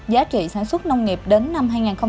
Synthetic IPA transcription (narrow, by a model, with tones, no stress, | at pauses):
zaː˨˦t͡ɕḭ˧˨saː˧˩nswə˦˥t̚nə˧wŋ͡mŋi˨˩əp̚ɗe˨˦nːa˧mɦaː˧jŋaː˨˩nxə˧w